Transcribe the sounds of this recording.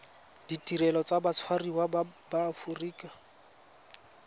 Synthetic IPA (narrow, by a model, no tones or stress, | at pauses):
d̥itʼiɾɛlɔt͡sabat͡sʰwariwabafuriːkʼa